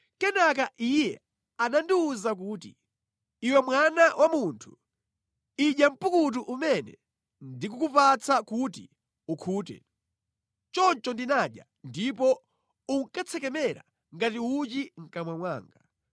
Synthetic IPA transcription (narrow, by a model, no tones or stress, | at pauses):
kɛnak̬aʔijɛ | anandiuzak̬uːtiː | wɛmwanawʔamuntʰu̥ | iʄjam̩pukut̬uʔumɛnɛ̰ | ndik̬ukupat͡sakutḭ | ukʰuːtɛ̰ | t͡ʃɔnt͡ʃɔndinaɗja̰ | ndipɔ | uŋkat͡sʰɛkɛmɛɾa̰ | ŋɡatiut͡ʃiŋ̩kamwamwa̰ːŋɡa